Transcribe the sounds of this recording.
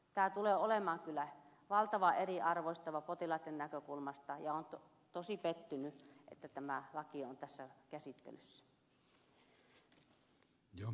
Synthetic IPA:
t̪æːt̪uleːolemɑːŋkylːˑæ | ʋɑlt̪ɑʋɑʔeriɑrʋoist̪ɑʋɑpot̪ilɑt̪ːennækøkulmɑst̪ɑjɑont̪o | t̪osipet̪ːynyʔḛt̪ːæt̪æmælɑkiont̪æsːækæsit̪ːḛlysːæ̥ | jo

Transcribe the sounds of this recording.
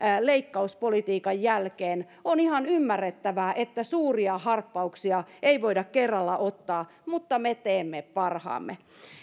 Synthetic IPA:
leikːɑuspolit̪iːkɑjjælkeːn | onihɑnymːærːet̪ːæʋæʔet̪ːæsuːriɑhɑrpːɑuksiɑeiʋoidɑkkerːɑlːæʔot̪ːɑː | mut̪ːɑmet̪eːmːeppɑrhɑ̰ːmːe

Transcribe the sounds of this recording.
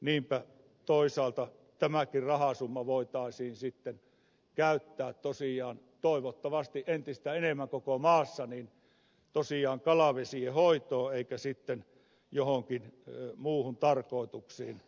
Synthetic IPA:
niːmpæ | t̪oisɑːlt̪ɑ | t̪æmækirrɑhɑsumːɑʋoit̪ɑˑisiːnsit̪ːen | kæˑyt̪ːæːtt̪osiɑːn | t̪oˑiʋot̪ːɑʋɑst̪iʔʔent̪ist̪æenemːæŋkokomɑːsːɑniːn | t̪osiɑːŋkɑlɑʋesiehoit̪oːeˑikæsit̪ːen | johoŋkinmuːhunt̪ɑrkoˑit̪uksiːn

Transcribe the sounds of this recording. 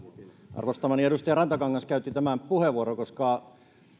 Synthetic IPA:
ɑ̰rʋost̪ɑmɑnieɾust̪ɑjɑrɑnt̪ɑkɑŋːɑnskæyt̪ːˑit̪æmæmpuheʋuoɾokoskɑ

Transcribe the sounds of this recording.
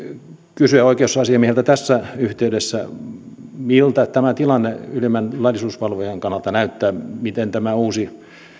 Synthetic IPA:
kysyæoikeosːɑɑsiɑmiehlt̪æt̪æsːæyht̪eydesːæ | milt̪æt̪æmæt̪ilɑnːeylimænlɑlʲːisuːspɑlʋojeŋkɑnːɑlt̪ɑnæyt̪ːæːmit̪ent̪æmæuːsi

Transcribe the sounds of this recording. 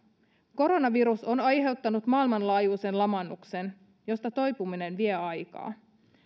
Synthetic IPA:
ko̞ɾo̞nɑʋiɾusonɑjɦe̞wt̪ːɑnut̪mɑːilmɑnlɑːjuːsenlɑmɑnːuksen | jo̞st̪ɑt̪o̞jpumine̞nʋieɑjkɑ̰ː

